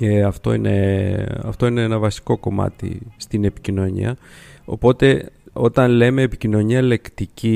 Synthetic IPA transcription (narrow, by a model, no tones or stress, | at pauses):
eɐft̪o̞̰inḛɐ̰ft̪o̞ineenɐvɐsi̥ko̞ko̞mɐ̰t̪ḭst̪ine̞pi̥cino̞ɲḭɐo̞̰po̞t̪e̞o̞t̪ɐnle̞me̞ːpicino̞ɲiɐele̞kt̪ici